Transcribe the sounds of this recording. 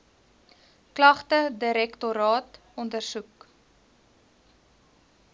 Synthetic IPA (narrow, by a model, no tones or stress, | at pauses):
klɐχtədiɾɛktoɾɑːt | ɔndərsuk